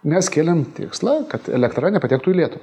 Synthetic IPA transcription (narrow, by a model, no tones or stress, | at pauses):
mʲɛskʲeːlʲɛmt̪ʲɪ̰ːkslˠɐkɐt̪ɛ̰lʲɛkt̪ɾɐnʲɛpɐt̪ʲɛːk̚t̪uːilʲiɛt̪ʊʋʲ